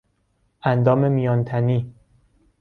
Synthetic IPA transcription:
ʔænd̪ɒːme̞mijɒːnt̪ʰæniː

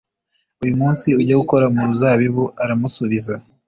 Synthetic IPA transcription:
ujumuːnsiuɟaɡuko̞ɾamuɾuzaːβiβuaɾamusuβiza

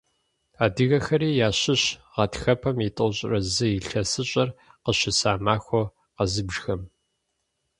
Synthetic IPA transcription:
aːdɨɣɐxɐɾiːjaːɕɪɕʁɐtʰxɐpʰɐmitʼoɕʼrɐzɨiɬɐsɨɕʼɐrqəɕɪsaːmaːxʷɔ | qɐzɨbʒxɐm

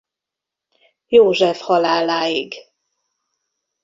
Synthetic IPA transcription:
joːʒɛfhɒlaːlaːiɡ

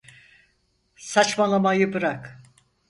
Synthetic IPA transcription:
sat͡ʃmalˠamajɯbɯɾak

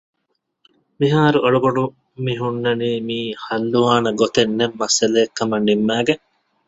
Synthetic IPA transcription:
miɦaːɾuʔɐɭɐboɖu | miɦunːɐniːmiːhɐlːuʋaːnɐɡot̪enːemːɐsɐleːkːɐmɐnːimːæːɡe

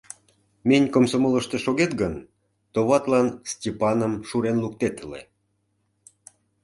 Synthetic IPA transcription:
menʲkomsomoləʃt̪eʃoɣet̪ɡən | t̪oβɑt̪lɑnstʲepɑnəmʃuɾenluk̚t̪et̪əlḛ

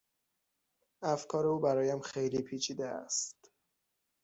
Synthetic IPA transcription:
æfkʰɒːɾeuːbæɾɒːjæmxe̞jliːpʰiːt͡ʃʰiːd̪eæ̰st̪

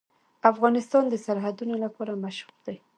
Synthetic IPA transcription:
afɣɑnɪst̪ɑnd̪əsaɾɦad̪unolapɑɾamaʃɾuɾd̪̥aj

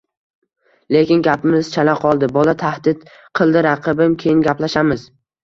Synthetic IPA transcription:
le̞kʲɪnɡʲapɪmɪzt͡ʃʰalaqʰɒlˠd̪ɪbɒlat̪ʰahd̪ɪt̪ | qʰɨlˠd̪ɪɾaqʰɨbɪmkʲʰejɪnɡʲaplaʃamɪz̥

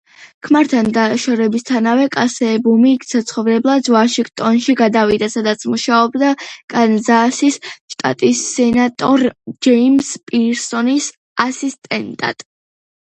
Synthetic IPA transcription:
kʰmaɾt̪ʰand̪aʃɔɾɛbist̪ʰanavɛkʼasɛbumiksat̪sʰχɔvɾɛblˠad̪vaʃiɡt̪ʼɔnʃiɡad̪avid̪asad̪at̪sʰmuʃaɔbd̪akʼanzasisʃt̪ʼa̰t̪ʼisːɛnat̪ʼɔɾd͡ʒɛimspʼiɾsɔnis | asist̪ʼɛnt̪ʼa̰t̪ʼ

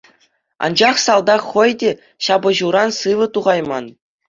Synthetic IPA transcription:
ɑ̰nd͡ʑɑχsɑlˠd̪ɑχɤ̆jdʲe | ɕɑbɤ̆ʑuɾɑnsɯʋɤ̆t̪uʁɑjmɑn

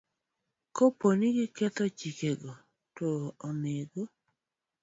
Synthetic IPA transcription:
koponiɡɪkɛt̪ɔt͡ʃikeɡɔ | toːneɡo

